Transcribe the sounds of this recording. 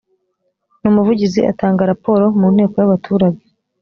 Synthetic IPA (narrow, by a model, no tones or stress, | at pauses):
numuvuɟiziʔa̰taːŋɡaɾapo̞ːɾo̞muːn̥he̞ːko̞jaβatʰuːɾaɟe